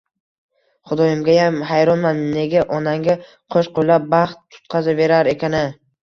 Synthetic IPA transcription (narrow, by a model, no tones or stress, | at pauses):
χʊd̪ɒjɪmɡʲajamɦajɾɒnmanne̞ɡʲaʔɒnaŋɡʲa | qʰoʃqojlap̚bɑχt̪ʰːʊ̥t̪qʰɑzave̞ɾaɾe̞kʲʰanɪ